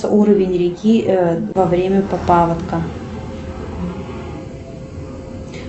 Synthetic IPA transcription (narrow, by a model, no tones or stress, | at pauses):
səʔuɾəvʲɪnʲɾʲɪkʲivɐvɾʲemʲəpɐpavɐt̪kə